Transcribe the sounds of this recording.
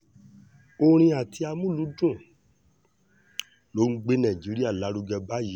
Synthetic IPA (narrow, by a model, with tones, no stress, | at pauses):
o˧ɾ̃ĩ˧a˨tʰi˧˦a˧mũ˦˨lu˨˦dũ˦˨ | lo˨˦ŋ̩˦ɡ͡be˦nã˦˨d͡ʒi˨˦ɾi˦a˦˨la˨˦ɾu˧ɡɛ˧ba˦ji˨˦